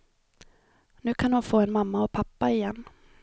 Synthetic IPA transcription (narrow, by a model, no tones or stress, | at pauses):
nʉ̟ːkʰanhʊnfoːɛnmamːaɔpʰapːaɪjɛnː